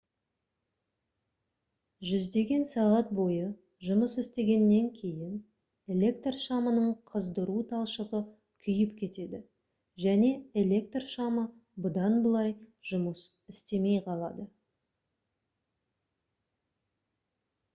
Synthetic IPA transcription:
ʒʏzd̪e̞ɡʲe̞nsɑʁɑt̪̚bo̞jə | ʒʊməsɪst̪e̞ɡʲe̞nːe̞ŋkʲʰe̞jɪn | e̞lʲe̞kt̪rʃɑmənəɴqʰəzd̪əɾut̪ʰɑlˠʃəʁə | kʲʰʏjɪpkʲʰe̞t̪e̞d̪ɪ | ʒæne̞elʲe̞kt̪rʃɑmə | bʊd̪ɑnbəlˠɑjʒʊməs | ɪst̪e̞me̞jqʰɑlˠɑd̪ə

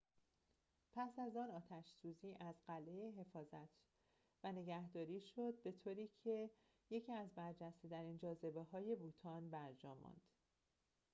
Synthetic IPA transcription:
pʰæsæzɒːnɒːt̪ʰæʃsuːziːʔæzɢæle̞jeɦe̞fɒːzæt̪ʰ | væne̞ɟæhd̪ɒːɾiːʃo̞d̪̚be̞t̪ʰoːɾiːcʰe | je̞cʰiːæzbæɾd͡ʒæst̪et̪ʰæɾiːnd͡ʒɒːze̞beɦɒːje̞buːt̪ʰɒnbæɾd͡ʒɒːmɒ̰nd̪̥

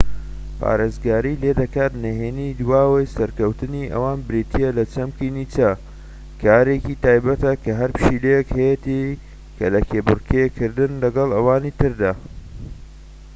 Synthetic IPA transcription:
pʰa̰ːɾeːzɡaːɾileːd̪ɐkaːt̪nɐɦeːnid̪waːwejsɐɾkɐwt̪ɨniʔɐ̰waːnbɨɾit̪ʰijelɐt͡ʃɐmkinit͡ʃɐ | kʰaːɾekit̪aːjbɐt̪ɐkʰɐɦɐɾpɨ̥ʃilejekhɐjet̪i | kʰɐlɐkʰebɨrkʰekʰɨɾd̪ɨnlɐɡɐlˠɐwaːnit̪ɨɾd̪aː

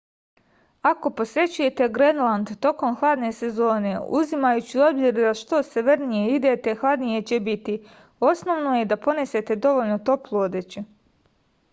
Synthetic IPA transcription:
ako̞po̞sɾe̞t͡ɕuje̞t̪e̞ɡɾenlˠand̪t̪o̞ko̞mxlˠad̪ne̞se̞zo̞ːne̞ṵzimajut͡ɕio̞bziɾd̪aʃt̪o̞seʋeɾnijeid̪et̪e̞xlˠad̪nije̞t͡ɕe̞bit̪i | o̞sno̞ʋnoje̞d̪apo̞nese̞t̪e̞d̪o̞ʋolnot̪o̞plˠood̪et͡ɕu

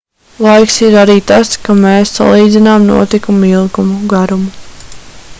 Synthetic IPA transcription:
lˠajksiɾaɾiːt̪askameːsːa̰lˠiːd̪zinaːmnṵɔt̪ikumilˠɡumuɡaɾumu

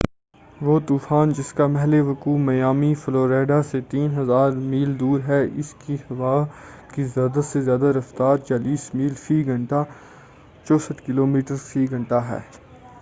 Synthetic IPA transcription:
ʋoːt̪uːfaːnd͡ʒɪskamɛɦleʋɐkuːmɐjaːmifɪloːɾeːɖaset̪iːnɦɐzaːɾmiːld̪uːɾɦɛʔɪskihɐʋaː | kizjaːd̪asezjaːd̪aɾɐft̪aːɾt͡ʃaːliːsmiːlsiːɡʱɐ̃ɳʈa | t͡ʃɔːsət̪kɪloːmiːʈəɾsiːɡʱɐ̃ɳʈaɦɛ̰ː

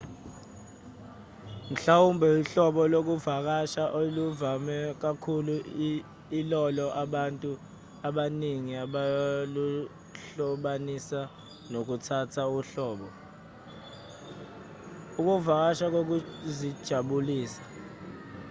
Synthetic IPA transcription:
m̩ɬawumbʱɛiɬɔɓɔlok̬uvak̬aʃaʔoluvamɛk̬akʰulu | ilɔlɔʔaɓantʼu | aɓaniŋiaɓalu | ɬɔɓanisa | nok̬utʰatʰauɬɔːɓɔ | uk̬uvak̬aʃak̬ok̬uzid̥ʒ̥ʱaɓuliːsḁ

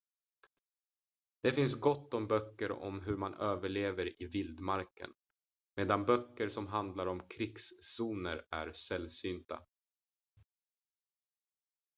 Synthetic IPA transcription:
d̪̥ɛfɪns̬ɡɔt̪ːɔmbœkːəɾɔ̰mɦɵɾmanøːvəɭeːvəɾɪvɪld̪maɾkə̰n | meːd̪anbœkːəɾʂɔmɦand̪laɾɔmkʰɾɪksːuːnəɾæ̰ɾsɛlːsyːnt̪a̰

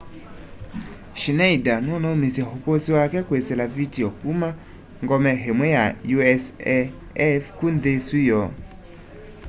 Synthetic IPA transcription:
ʃinaidanɔnaumisjɛɦokosiwakɛkweselavitiɔkuma | ŋɡɔmɛɦemwɛjajuɛs | ɛfkundesujɔ

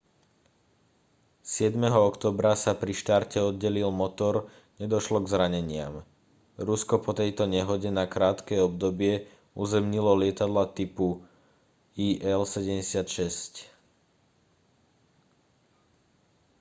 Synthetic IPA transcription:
sɪɛd̪mɛɦɔɔkt̪ɔːbɾasapɾiʃt̪aɾcɛɔd̪̚ɟɛlilmɔt̪ɔɾ | ɲɛd̪ɔʃlɔɡzɾaɲɛɲɪa̰m | ɾuskɔpɔt̪ɛjt̪ɔɲɛɦɔɟɛnakɾaːt̪kɛɔb̚d̪ɔbɪɛ | uzɛmɲilɔlɪɛt̪ad̪lat̪ipu | iːʔɛlsɛɟɛmɟɛsɪat̪ʃɛsc

